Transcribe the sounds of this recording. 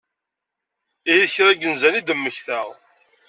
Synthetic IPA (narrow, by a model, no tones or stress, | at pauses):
iiðəçɾˤæɡːənzænid̪əmːəçθəʁ